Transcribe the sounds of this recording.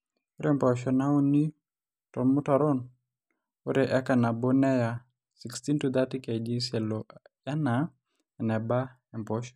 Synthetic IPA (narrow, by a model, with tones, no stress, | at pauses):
u˦ɾɛmpɔʃɔ˨na˦u˦ni˦ | tɔmu˦ta˨ɾɔ˦n | o˦ɾeʔɛ˦ka˨na˨bo˦nɛ˦ja˨ | si˨ksti˦ntud̪a˦ti˦kɛ˨d͡ʒi˦nsɛ˨lɔ | ja˦na | ɛ˨nɛ˨ba˦ | ɛ˨mpɔ˦ʃɔ̥